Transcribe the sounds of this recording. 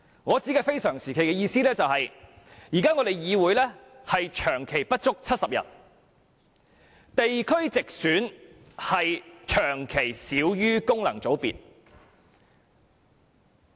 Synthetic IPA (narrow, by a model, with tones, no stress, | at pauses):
ŋɔː˨˧t͡siː˨˥kaː˧fe˥jsœː˨˩ŋsiː˨˩kʰe˨˩kɛː˧jiː˧siː˥lɛː˥t͡sɐ˨whɐ˨j | jiː˨˩kaː˥ŋɔː˨˧ɾe˨jjiː˨˧wuː˨˧˥jlɛː˥ | hɐ˨jt͡ʃʰœː˨˩ŋkʰe˨˩jpɐ˥t̚t͡ʃʊ˥k̚t͡sʰɐ˥t̚sɐ˨p̚jɐ̰˨˩t̚ | t̪e˨jkʰɵ˥ɥt͡sɪ˨k̚syː˨˥n | hɐ˨jt͡ʃʰœː˨˩ŋkʰe˨˩jsiː˨˧˥wjyː˥kʊ˥ŋlɐ˨˩ŋt͡so˨˥wpḭ˨t̚